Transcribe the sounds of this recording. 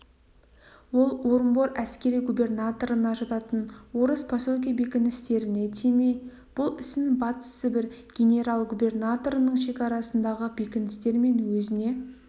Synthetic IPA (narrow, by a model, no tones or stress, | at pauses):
wo̞lˠwo̞ɾəmboɾæskʲe̞ɾijɡubʲe̞rnat̪o̞ɾənɑʒɑt̪ɑt̪ənwo̞ɾəspʰosolˠkʲijabe̞kʲɪnɪst̪e̞ɾɪne̞t̪ʰeme | b̥ʊlˠɪsɪbɑt̪ə̥səbɪɾɡʲe̞nʲe̞ɾalˠɡubʲe̞rnat̪o̞ɾənəɴʃe̞kʲɑɾɑsənd̪ɑʁəbe̞kʲɪnɪst̪e̞ɾme̞nwɵzɪne̞